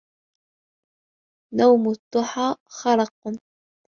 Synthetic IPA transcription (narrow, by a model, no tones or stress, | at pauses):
nawmʊt̪ˤːʊħɑːxɑɾˤɑqn